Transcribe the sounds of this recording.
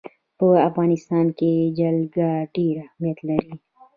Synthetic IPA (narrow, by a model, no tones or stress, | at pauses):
poːɐfɣaːnɪst̪aːnked͡ʒɐlɡaɖiːɾamet̪lɐɾi